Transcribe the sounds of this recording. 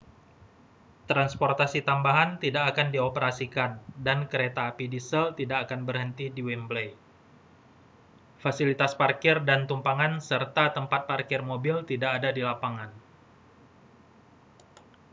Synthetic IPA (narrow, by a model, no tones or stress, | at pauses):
t̪ɾansport̪asit̪ambaɦant̪idakːkandiopəɾasikandankəɾet̪aːpidisəlt̪idakːkanbərɦənt̪idiwɛmblej | fasilit̪asparkɪrdant̪umpaŋansərt̪at̪əmpat̪̚parkɪrmobilt̪idakːdadilapaŋan